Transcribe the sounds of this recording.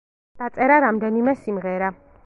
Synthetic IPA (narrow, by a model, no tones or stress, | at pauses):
d̪̥at̪sʼɛɾaɾamd̪ɛnimɛsimʁɛɾa